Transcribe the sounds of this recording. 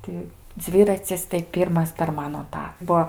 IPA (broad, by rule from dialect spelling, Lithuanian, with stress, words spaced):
ˈtʲɪ ˈd͡zʲʋʲɪrɐt͡sʲɪs tɐɪ ˈpʲiːrmɐs pʲɛr ˈmɑːnoː ˈtɑː ˈbuɔ